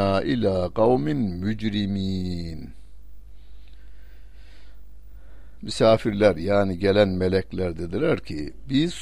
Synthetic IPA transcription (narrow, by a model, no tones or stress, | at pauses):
aːʔilʲaːqɑwminmyd͡ʒɾimiːn | mysaːfiɾlʲæɾjaːniɟelʲænmelɛclʲæɾd̪ed̪ilæɾcʰibiz̥